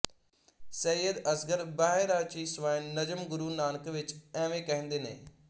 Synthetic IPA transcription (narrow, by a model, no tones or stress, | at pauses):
sɛjəd̪əsɡəɾbaːɦeːɾaːt͡ʃiːsʋaːnəd͡ʒəmɡʊɾuːnaːnəkʋɪt͡ʃɛ̃ːʋẽːkɛɦə̃nd̪eːnḛ̃ː